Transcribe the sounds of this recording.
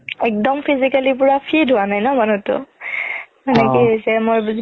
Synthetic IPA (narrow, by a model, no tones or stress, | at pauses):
ɛk̚dɔmpʰizikalip̬ʊɹapʰidʱʊwanajnɔmanutʊ̰ | ɛnɛkisɛmojb